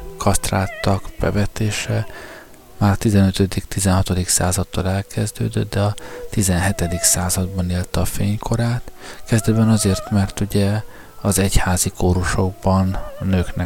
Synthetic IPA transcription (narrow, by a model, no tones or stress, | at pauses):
kʰɒst̪ra̰ːt̪ːɒkb̥ɛ̰vɛt̪eːʃɛ | maːrt̪izɛnøt̪ød̪ikt̪izɛnɦɒt̪od̪iksa̰ːzɒt̪ːɒlɛlkɛzd̪ø̰ːd̪øt̪d̪ɛɒt̪izɛnɦɛt̪ɛd̪iksaːzɒd̪bɒneːlt̪ɒfeːɲkʰo̞ɾaːt̪kɛzd̪ɛd̪bɛnɒzeːrt̪mɛrt̪uɟɛ | ɒzɛchaːzikʰoːɾoʃo̞ɡ̚bɒnːøːknɛ